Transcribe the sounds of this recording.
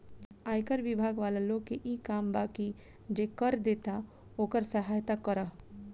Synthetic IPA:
aːjkəɾʋɪbʱaːɡʋaːlalõkeʔiːkaːmbaːki | d͡ʒeːkəɾd̪eːt̪a | oːkəɾsəɦaːjt̪akəɾaɦ

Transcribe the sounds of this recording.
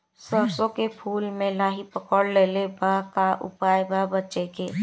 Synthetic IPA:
səɾsõkepʰuːlmẽlaːɦipəkəɽleːlebʱaɦkaʔʊ̰paːjbʱaːɦbət͡ʃekeː

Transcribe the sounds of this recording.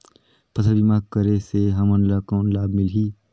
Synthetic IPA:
pəsʰəlbimaːɡkəɾeseɦɐmənlaːkoːnlaːbmɪlɦiː

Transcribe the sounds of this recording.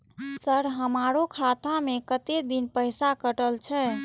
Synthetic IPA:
səɾɦəmaɾokʰat̪amekət̪ed̪inpəɪsakəʈəlt͡ʃʰɛ

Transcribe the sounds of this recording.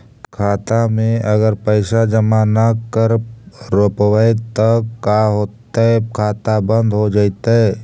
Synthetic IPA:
kʰaːt̪amẽʔɐɡəɾpəɪsad͡ʒəmanakəɾɾoːpwəjt̪əkːaɦoːt̪aɛkʰaːt̪abə̃nd̪ɦod͡ʒaːɪt̪aɦɛ

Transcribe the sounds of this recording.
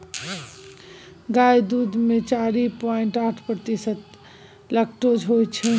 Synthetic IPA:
ɡajd̪ud̪met͡ʃaɾipɔeɳʈaʈʰpɾət̪isət̪̚ | ləkʈod͡ʒɦojt͡ʃʰɛ

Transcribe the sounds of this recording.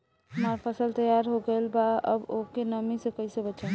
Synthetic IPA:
ɦumaɾpʰəsəlt̪əjaɾɦoɡelbaə̰bokenəmisəkəsəbət͡ʃʰə

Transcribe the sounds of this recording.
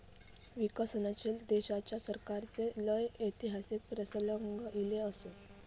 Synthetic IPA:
ʋikəsənat͡ɕeld̪eɕat͡ɕjasəɾkaɾt͡seləjəjt̪iɦasik̚pɾəsələŋɡəʔileəse

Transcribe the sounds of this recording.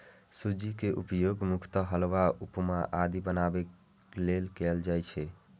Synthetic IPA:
sud͡ʒikeʔupjoɡmukʰt̪əɦəlwaupmaʔad̪ibənabek | lelkɛld͡ʒajt͡ʃʰɛ

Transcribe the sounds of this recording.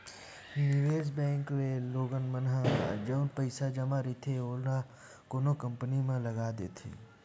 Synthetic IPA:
nɪʋeːzbɛ̃ːŋkleloːɡənmənɦaa̰d͡ʒəʊnpəɪsad͡ʒɐmaɾit̪ʰeoːna | koːnokəmpnimẽlɐɡaːd̪eːt̪ʰḭː

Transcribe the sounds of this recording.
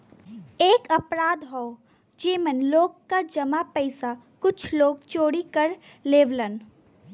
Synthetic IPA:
eːkəpɾaːd̪ɦɔo | d͡ʒeːmənloːɡkad͡ʒɐmapɛɪsa | kʊt͡ʃʰloːɡt͡ʃoːɽikəɾ | leːʋlən

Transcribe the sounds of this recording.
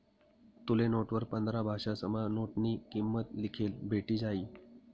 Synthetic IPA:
t̪ulenoʈʋəɾpənd̪ɾabʱaɕasəmanoʈniːkimːət̪likʰeːlbʱeʈiːd͡zaiː

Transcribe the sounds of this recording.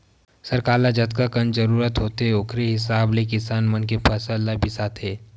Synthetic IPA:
səɾkaːlad͡ʒɐt̪̚kakɐnd͡ʒəɾuːɾət̪ɦoːt̪eɦɛʊkʰɾeɦɪs̬aːblekɪsaːnmɐnk̬epʰɐsəlːabʱɪsat̪ʰɦeː

